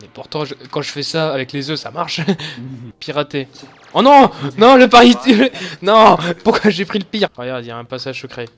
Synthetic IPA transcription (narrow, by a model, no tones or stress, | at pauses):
ɛpuʁt̪ɑ̃ʒəkɑ̃ʒəfɛsaːvɛklezøsamaʁʃ | piʁat̪e | ɔ̃nɔ̃nɔ̃ləpaʁit̪ynɔ̃puʁkwaʒepχiləpiʁʁəɡjad̪idjaɛ̃pasaʒsəkχe